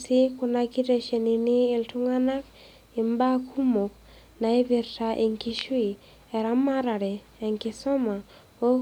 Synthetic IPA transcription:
sɪ˦kʊ˨na˧ki˦ɾe˨ʃe˨ni˨nɪː˦˨ltʊ˦ŋa˦na˦k | ɪ˨mba˦kʰu˦mo˨k | na˨e˦bi˨rta˨ʔe˨ŋki˦ʃwi˨ | ɛ˨ɾa˦ma˦ɾa˨ɾɛ˨ | ɛ˨ŋkɪ˨sɔ˦ma˨ | o˦

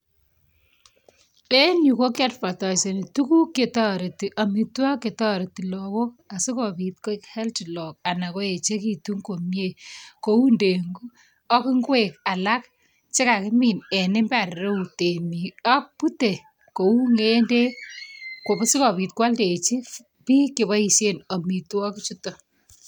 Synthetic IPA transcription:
e˦ɲu˨ko˦ka˦tpa˨tɔ˨se˨ni˨tu˦ku˦kːe˨tɔ˦˨ɾe˨ti˨ʔa˨mi˨twa˦kːe˨tɔ˦ɾe˨ti˨lɔ˨ko˦a˨si˦kɔ˨pi˨t̚ko˦khɛ˦lt͡ʃi˨lɔ˨k̚a˨na˨ko˦e˨t͡ʃe˦ki˨tu˦ŋko˨mje˨ko˨˦u˦nde˨ŋɡu˦ | ɔ˦kɪ˦ŋɡweka˨la˦k̚ | t͡ʃe˦ka˨kɪ˦mi˨nɛ˨nɪ˦mba˦˨ɾɾe˦u˨te˨mi˨ɔ˦k̚pu˦te˨ | ko˨u˦ŋe˦nde˦ | ko˨be˦si˦kɔ˨pi˨t̚kwa˦lde˨t͡ʃi˦ | pi˦ke˨βa˦i˨ʃe˦no˨mi˨tu˦ɔ˦ki˦t͡ʃu˦to˨

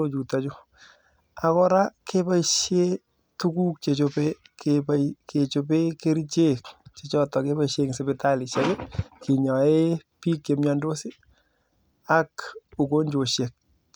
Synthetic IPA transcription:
o˦t͡ʃu˨ta˨t͡ʃʊ˦ | a˨kɔ˦ɾa˦kʰe˦pa˦iʃje˦ | tu˦ku˦k̚t͡ʃe˨t͡ʃo˧pe˦kʰepajke˨t͡ʃo˨pe˦ke˦ɾi˦t͡ʃe˦kt͡ʃe˨t͡ʃɔ˦tɔ˨ke˦ba˦jʃeŋse˨be˦ta˦li˨ʃa˦ɡe˦ki˨ɲɔ˨e˦ | pi˦kje˨mja˦ndo˦si˦ | a˦ku˨ko˦ɲd͡ʒo˨ʃe˨k̚

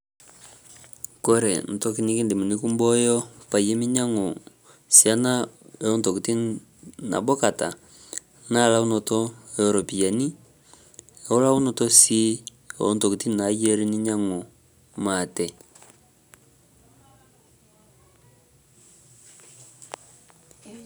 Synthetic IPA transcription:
ko˦ɾɛ˨n̩˨to˦ki˦ni˦ki˦ndi˨mu˨ni˦ku˦mbɔ˦jɔ˦pa˨je˦mi˦ɲa˦ŋo˨ | sja˦na˦˨o˦nto˨ki˨ti˦ | na̰˨bɔ˦ka˨ta̰˨ | na˦˨la˦u˦nɔ˨tɔ˦ɛ˨ɾɔ˨pi˨ja˨ni˦˨ | o˦la˦u˦nɔ˨tɔ˦si˦˨ | o̰˦nto˨ki˨ti˦˨na˨je˦ɾi˦ni˦ɲa˦ŋo˨ | ma˨tɛ˨

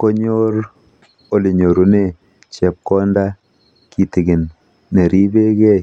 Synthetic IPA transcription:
ko˦ɲo˦ɾ | o˦li˨ɲo˨ɾu˨ne˦˨ | t͡ʃɛ˨p̚kɔ˦nda˦ | ki˨tɪ˨ɡɪ˨nː | e˨ɾʔi˦be˦kɛ˦j

